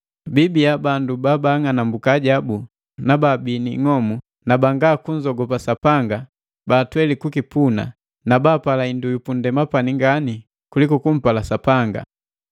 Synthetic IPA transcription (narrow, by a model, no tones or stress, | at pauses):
bibiabandubaːbaŋanambukaːɟabu | nababiniŋɔmu | nabaŋɡaːkuɲd͡ʒɔɡɔpasapaŋɡa | baːtwɛlikukipuna̰ | nabaːpalaindujupundɛmapaniŋɡani | kulikɔkum̩palasapaŋɡa̰